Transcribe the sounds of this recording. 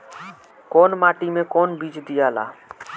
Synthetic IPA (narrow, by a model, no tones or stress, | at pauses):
konmaːʈimẽkonbid͡ʒd̪ijaːla̰ː